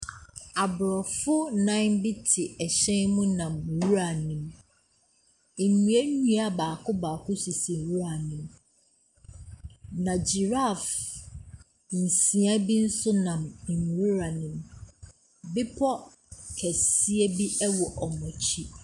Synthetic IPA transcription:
a˨bʊ˨ɾɔ˨fʊ˦nã˦bɪ˦tʰɪ˨ɛ˨ɕɛ̃˦nmʊ̃˦nã˨m˨wu˦ɾa˨nɪ̃˨m˨ | nũ˨e˦nũ˦a˨baː˨kʰʊ˦ba˨kʰʊ˦si˨si˨wu˦ɾa˨nɪ̃˨m | nã˨d͡ʑi˨ɾa˦˨f | n̩˨sĩ˨a˦bi˦n̩˦sʊ˦nã˨m˨n˨wu˦ɾa˨nɪ̃˨m | bɪ˦pʰɔ˦ | kʰɛ˨si˦e˦bi˦ʔɛ˦wɔ˨ʔɔ˨mɔ̃˨t͡ɕʰi˦

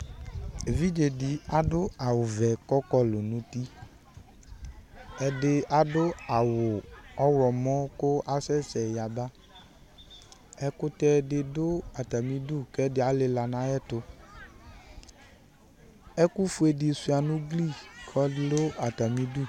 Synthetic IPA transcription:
e˨vi˦d͡ʒe˨dɪ˨a˨dʊ˦a˨wʊ˨vɛ˨kɔ˦kɔ˦lo˨nʊ̃˨˦t̪i˦ | ɛ˨dɪ˦a˦dʊ˦a˨wʊ˨ɔ˦wɾɔ˨mɔ̃˦kʊ˦a˦sɛ˦sɛ˨ja˨ba˦ | ɛ˦kʊ˦tɛ˦dɪ˨dʊ˦a˨ta˨mĩ˦du˦˨kɛ˦dɪ˦a˨˦le˦la˨nã˦jɛ˦tʊ˧ | ɛ˦ku˦fu˦e˨dɪ˨su˧˦a˨nʊ̃˦ɡli˦˨kʰɔ˦lʊ˦a˨ta˨mĩ˦du˦˨

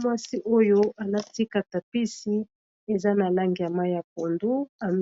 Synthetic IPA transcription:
mwa˦si˦ʔo˦jo˦a˨la˦ti˦ka˨ta˨pi˦si˦ | e˨za˦na˨la˦ŋɡi˨ja˨ma˦ja˨p̚o˨ndu˦a˨m

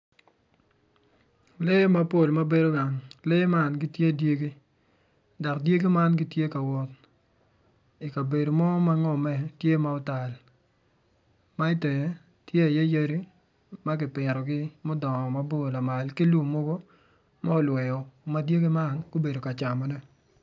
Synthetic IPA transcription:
le˦ma˦po˦˨lma˦be˨do˦ɡa˨ŋle˦ma˦nɡɪ˦tje˦˨dje˦ɡi˦ | da˨kdje˦ɡi˦ma˦nɡɪ˦tje˦ka˨wɔ˦t̚ | i˨ka˨be˨do˨mɔ˦ma˦ŋɔ˦mɛ˨tje˦ma˦ɔ˦ta˨l | ma˦i˦tɛ˨je˨ | tje˦a˨je˦je˦ɾi˦ | ma˦ɡɪ˨pɪ˨ɾɔ˨ɡɪ˦mɔ˦dɔ˨ŋɔ˨ma˦po˦˨la˨ma˨lki˦lwo˨mo˦ɡo˦ | ma˦ɔ˦lwɛ˨jɔ˨ma˦dje˦ɡi˦ma˦nko˦be˨do˨ka˨t͡ʃa˨mɔ˨nɛ˦

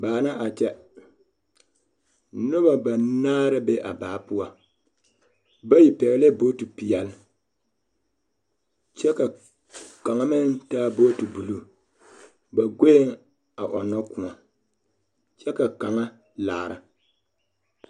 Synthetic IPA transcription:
baː˨na˦ʔa˨t͡ʃɛ˦ | nʊ˦ba˨ba˨naː˦ɾɨ˦be˦ʔa˨baː˨pu˦a˨ | ba˦ji˨pɛ˨ɣle˦boː˦tu˨pi˨jɛ˨l | t͡ʃɛ˦ka˨ | ka˨ŋa˨mɨ˦ntaː˦boː˦tu˨bu˨lu˦ | ba˨ɡo˦ŋ | a˨ʔɔ˨nɔ˦ku˨a˨ | t͡ʃɛ˦ka˨ka˨ŋa˦ | laː˨ɾɨ̰˨

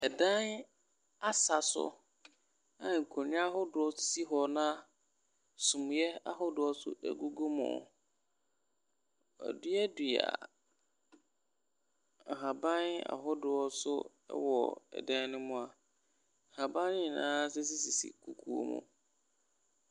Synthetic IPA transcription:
ɛ˨dã˦n | a˦sa˨sʊ̰˦ | ã˨ŋ̩˨kʰo˨nɪ̃˦a˦ɦʊ˦dʊ˨ɔ˦si˦ɦɔ˨nã˦ | sũ˨m̃˨jɛ˦a̰˦ɦʊ˦dʊ˨ɔ˦sʊ̰˦ʔæ̰˨ɡu˦ɡo˦mʊ̰̃˨ | ɔ̰˨dʊ˦ɛ˦dʊ˨a̰˨ | ɦa˨bã˦na̰˨ɦʊ˦dʊ˨ɔ˦sʊ˦ | ɛ̰˦wɔ˨ɛ̰˨dã˦nʊ̃˦mʊ̃˦a˨ | ha˨bã˦n˦ɪ̃˦˨nã̰ː˦sɛ˦s̬i˦si˨sḭ˨kʰu˨kʰu˨˦o̰˦mʊ̰̃˦

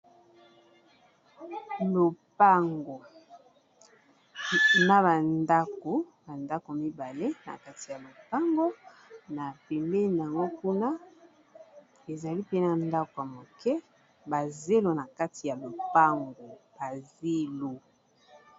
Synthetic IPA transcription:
lo˨pa˦ŋɡo˨ | na˨ba˨nda˦ko˨ba˨nda˦ko˨mi˦ba˨le˦na̰˨ka˦ti˨ja˨lo˨pa˦ŋɡo˦ | na˨pɛ˨mbɛ˦n˨a˨ŋɡo˦ku˦na˦ | e˨za˨li˦pe˦na˨nda˦ko˨a˨mo˨kɛ˦ | ba˨ze˦lo˨na˨ka˦ti˨ja˨lo˨pa˦ŋɡo˨b̥a˨ze˦lo˨

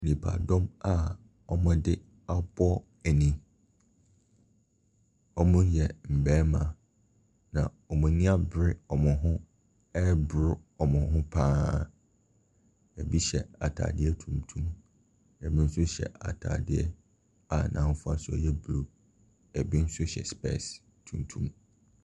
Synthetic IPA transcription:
nĩ˨pʰa̰˨dɔ̃˦ma˦ | ɔ˨mʊ̃˦dɪ˦ | a˦bɔ˦ | ɛ˨nĩ˨ | ɔ˦mʊ̃˦jɛ˨m̩˨bɛː˦mã˨ | nã˨ | ɔ˨mũ˨nɪ̃˦a˦bɾɪ˦ɔ˨mʊ̃˨ɦʊ̃˦ | ɛ˦bɾʊ˦ɔ˨mʊ̃˨ɦʊ̃˦pʰãː˦˨ | ɛ˨bi˦ɕɛ˨a̰˨tʰa̰ː˨dɪ˦ɛ˦tʰũ˨mtʰũ˦m | ɛ˨bi˦n̩˦sʊ˦ɕɛ̰˨a̰˨tʰa̰ː˨dɪ˦ɛ˦ | a˨nã˨m˦fʊ˦a˨sʊ˦ɔ̰˨jɛ˦bɾo˨ | ɛ˨bi˦n̩˦sʊ˦ɕɛ̰˨spɛ̰˦s | tʰũ˨mtʰṵ̃˦m

